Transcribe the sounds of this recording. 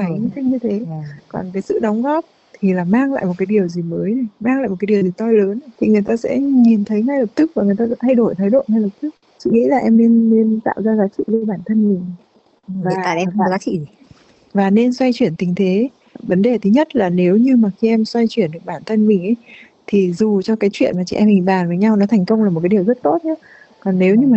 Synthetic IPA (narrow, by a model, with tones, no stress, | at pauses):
aː˨˩i˧˦t̪ï˧ŋɲɨ˧t̪ʰe˨˦kɔ˨˩nkaː˨˦jsɨ̰˧˨ɗə˨˦wŋ͡mɣɔ˦˥p̚ | t̪ʰi˨˩laː˨˩maː˧ŋla̰ː˧˨jmo˨˩t̚kaː˨˦jɗi˨˩əwzi˨˩məː˨˦jna˨˩jmaː˧ŋlaː˧˨jmo˨˩kːaː˨˦i˨˩ə˩zi˨˩t̪ɔ˧jləː˨˦n˧t̪ʰi˨˩ŋɨ˨˩əjt̪aː˧sɛ̰˧˥ɲi˨˩nt̪ʰə˨˦jŋa˧jlə˨˩p̚t̪ɨ˦˥k̚vaː˨˩ŋɨ˨˩əjt̪a̰ː˧˥t̪ʰa˧jɗo˧˩jt̪ʰə˨˦jɗo̰˧˨nha˧jlə˨˩p̚t̪ɨ˦˥k̚sɨ̰˧˨ŋḭ˧˥la̰ː˨˩ʔɛ˧mne˧nːe˧nt̪a̰ː˧˨wzaː˧zaː˨˦k̚sɨ̰˧˨le˧ɓaː˧˩nt̪ʰə˧nmï˨˩ŋ̟ | vaː˨˩˨aː˧˩ɛ˧˨˩zaː˨˦˥ḭ˧˩˨ | vaː˨˩ne˧nswa˧jt͡ɕwi˧˩ənt̪ï˨˦ŋ̟t̪ʰe˨˦ | və˨˦nɗe˨˩t̪ʰi˨˦ɲə˦˥t̚laː˨˩ne˨˦wɲɨ˧maː˨˩xi˧ʔɛ˧mswa˧jt͡ɕwi˧˩ənɗɨ˨˩ək̚ɓaː˧˩nt̪ʰə˧nmï˨˩ŋ̟ʔə˨˦j | t̪ʰi˨˩zu˨˩t͡ɕɔ˧kaː˨˦jt͡ɕwḭ˧˨ənmaː˨˩t͡ɕḭ˧ʔɛ˧mhi˨˩ɓaː˨˩nvəː˨˦jɲa˧wnɔ˨˦t̪ʰɛ˨˩ŋ̟kə˧wŋ͡mlaː˨˩o˨˩kaː˨˦i˨˩əwzə˦˥t̚t̪o˦˥t̚ʰɛ˧ | kɔ˨˩nːe˨˦wɲɨ˧maː˨˩